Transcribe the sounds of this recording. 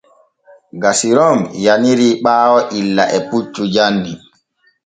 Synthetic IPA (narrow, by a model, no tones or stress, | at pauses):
ɡasiɾɔmjaniɾiːɓaːwɔʔilːaʔɛput͡ʃːud͡ʒandi